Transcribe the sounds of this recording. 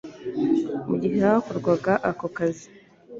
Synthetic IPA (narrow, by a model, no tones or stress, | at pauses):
muɟiheaakoɾɡwaɡaʔakokazi̥